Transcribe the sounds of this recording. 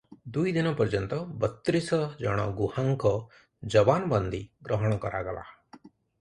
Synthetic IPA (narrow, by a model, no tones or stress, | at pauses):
d̪ujd̪inɔpɔɾd͡ʒɔnt̪ɔbɔt̪ːɾisɔd͡ʒɔɽ̃ɔ̰ɡuhaŋkɔ | d͡ʒɔbanɔbɔnd̪iɡɾɔɦɔɽ̃ɔkɔɾa̰ɡɔla̰